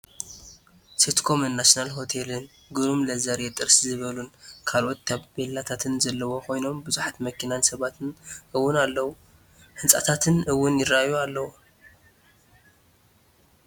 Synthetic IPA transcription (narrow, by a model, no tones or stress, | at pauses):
set̪kʰo̞mɨnːasnalɦo̞t̪ʰelɨn | ɡɨɾumlɐzɐɾjɛt̪ʼɨɾszɨβɐlunkʰalʔo̞t̪ːʰaβbelːat̪ʰat̪ʰɨnzɐlːɐwo̞kʰo̞jno̞mbɨzuħat̪mɐkʰːinansɐβat̪ʰɨnɨwːʊnalːɐwu | hɨnsʼa̰t̪ʰat̪ʰɨnɨwːʊnjɪrːaajualːɐwu